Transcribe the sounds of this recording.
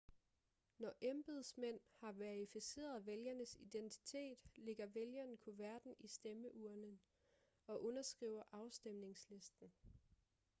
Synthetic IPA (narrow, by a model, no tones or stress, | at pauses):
nɒʔemb̥ð̩ˠsmen̰hɑ̈ʋæɐifise̝̰ːɐðˠæʋeljɐnəsid̥ent͡sʰi̥t͡sʰe̝̰ːd̥le̝ɡ̥ɐʋeljɐnkʰo̝ʋæɐd̥n̩isd̥eməʔuːɐnə | ɒ̽ʔɔ̽nɐsɡ̥ʁḭʊɐʔɑ̈ʊsd̥emne̝ŋsle̝sd̥n̩